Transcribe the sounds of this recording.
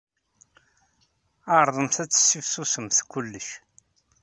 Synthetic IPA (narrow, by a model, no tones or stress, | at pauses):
aɾˤðˤəmθæt͡sːə̥sːifsusəmθkʷːʊlːəʃ